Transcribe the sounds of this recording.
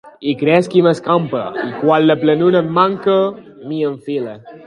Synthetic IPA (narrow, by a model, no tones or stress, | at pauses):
ikɾɛskiməskampə̰ikwalləplənunəmmaŋkə | miəɱfile